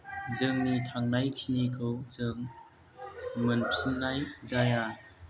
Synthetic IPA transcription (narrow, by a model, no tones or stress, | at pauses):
zɯŋnitʰaŋnajkʰinikʰowzɯŋ | mənpʰinːajzaja